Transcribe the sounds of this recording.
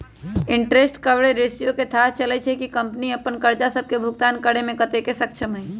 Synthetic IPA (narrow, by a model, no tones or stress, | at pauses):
iɳʈɾesʈkəbɽeɾesijoket̪ʰast͡ʃəlɛt͡ʃʰɛkikəmpəniəpːənkəɾd͡ʒasəb̚ʱkebʱuɡt̪ankəɽemekət̪ekesəkt͡ʃʰəmɦəj